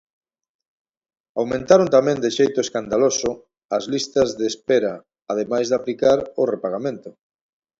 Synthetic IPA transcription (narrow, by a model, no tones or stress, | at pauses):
awmẽnt̪aɾont̪amɛ̃nd̪eʃejt̪ʊeskand̪alosʊ | azlist̪ɐzðeːspeɾa | aːð̞emajzðaplikaɾʊrepaɣamẽnt̪ʊ